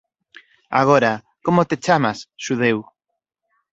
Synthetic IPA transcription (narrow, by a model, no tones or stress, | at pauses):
a̰ɣ̞oɾa | komot̪et͡ʃamasʃuðew